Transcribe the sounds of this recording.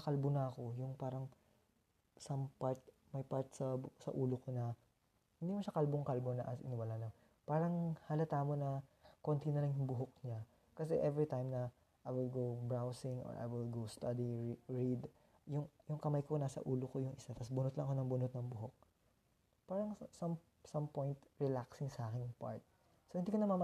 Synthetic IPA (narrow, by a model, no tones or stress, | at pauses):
ɐkɐlbonɐɐko̞jʊŋpaːɾɐŋ | sɐmpaɹt̪̚ | mɐjpaɹt̪̚sɐsɐ̰ʔuːloko̞nɐ | hɪnd̪imoʃakɐlboŋkɐlbonɐʔɐsʔɪ̰nɪwalanɐ | paːɾɐŋhaːlɐt̪aːmonɐkont̪inɐlɐŋjʊŋbʊɦok̚ɲa | kɐsɛʔɛvɹit̪ajmnɐ | ʔajwɪlɡowbɹawsɪŋʔo̰ɹʔa̰jwɪlɡowst̪ɐd̪iɹid̪ | jʊŋjʊŋkɐmɐjkonaːsɐ̰ʔuːlokojʊŋʔɪsat̪ɐsbʊnot̪lɐŋʔɐko̞nɐŋbʊnot̪̚nɐŋbʊɦok̚ | paːɾɐŋsɐm | sɐmpojnt̪ɹɛlaksɪŋsɐʔaːkɪnpa̰ɹt̪̚ | sohɪnd̪ikonɐmamɐ